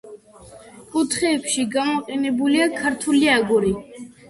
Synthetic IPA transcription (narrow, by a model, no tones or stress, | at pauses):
kʼut̪ʰχɛːpʃiɡamɔqʼɛnɛbuliakʰaɾt̪ʰuliaɡɔɾi